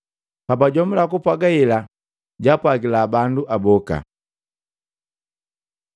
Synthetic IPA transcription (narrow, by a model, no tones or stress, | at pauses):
pabaɟɔmbulakupwaɡaila | ɟapwaɡilaːbanduʔabɔka̰